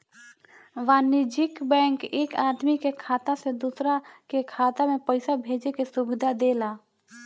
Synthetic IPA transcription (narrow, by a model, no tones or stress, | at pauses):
ʋaːnɪd͡ʒɪkbɛ̃ːŋkeːkaːd̪mikekʰaːt̪ased̪uːsɾakekʰaːt̪amẽpəɪsabʱeːd͡ʒekesʊbɪd̪ʱad̪eːlaː